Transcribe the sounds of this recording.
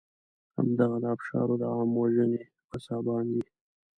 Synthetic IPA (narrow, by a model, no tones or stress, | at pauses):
ha̰md̪aɣad̪aːpʃɑ̰ɾod̪əɑmwaʒəne | pəsɑbɑnd̪i